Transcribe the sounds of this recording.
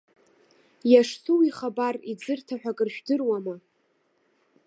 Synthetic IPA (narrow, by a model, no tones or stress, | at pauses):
jaʂsuwiχabarid͡zɨrtʰaħʷᶣakʼɨrʃᶣdɨrwama